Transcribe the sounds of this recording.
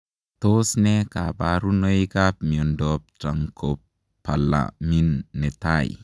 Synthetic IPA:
tosnɛkabaɾunojkap̚miɔndɔp̚tɾaŋkʰopː | ala̰minːɛtaj

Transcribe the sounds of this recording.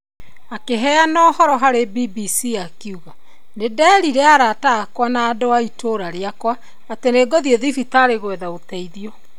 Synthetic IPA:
akeɦɛanɔːhɔɾɔɦaɾebibisiakiuɣa | nedɛɾiɾeaɾaːtaːkwanaːdoaitʰoɾaɾeakwaː | teneɡɔðieðifitaɾeɣwɛðaotɛiðiɔ

